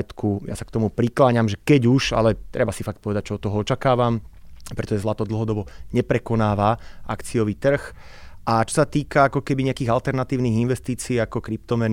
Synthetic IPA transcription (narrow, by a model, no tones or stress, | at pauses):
ɛt̪kuja̰sakt̪ɔmupɾiklaɲamʒɛkɛɟuʃa̰lɛt̪ɾʔɛbasifak̚t̪pɔʋɛd̪ac̚t͡ʃɛɔt̪ɔɦɔɔt͡ʃakaːʋampɾɛt̪ɔʒɛzlat̪ɔd̪l̩ˠɦɔd̪ɔbɔɲɛpɾɛkɔnaːʋaʔa̰kt͡sijɔʋiːt̪r̩xʔat͡ʃɔ̥sat̪iːkaakɔkɛbiɲɛakiːɣalt̪ɛɾnat̪iːʊniːɣinʋɛst̪iːt͡siːakɔkɾip̚t̪ɔmɛn